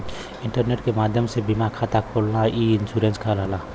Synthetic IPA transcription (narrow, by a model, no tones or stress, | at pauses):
ɪɳʈəɾneʈkemaːd̪ʱjəmsebimakʰat̪akʰolnaiɪnsuɾẽnskʰəlɦəla